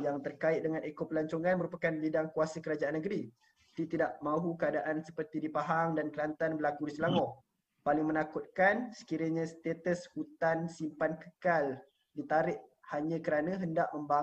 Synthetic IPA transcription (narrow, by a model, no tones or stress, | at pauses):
jaŋt̪ərkaɪʔ̪̚dəŋãnekopəlaɲt͡ʃoŋãnməɾupakanbidaŋkuasəkəɾad͡ʒaanːəɡɾi | dit̪idaʔmãɦukəadaʔansəpərt̪idipaɦaŋdankəlant̪anbəlakudisəlaŋɔ | palɪŋmənakʊt̪̚kansə̥kiɾəɲãst̪et̪əshut̪ansimpankəkal | dit̪aɾɪʔhaɲãkəɾanãɦəndaʔməmba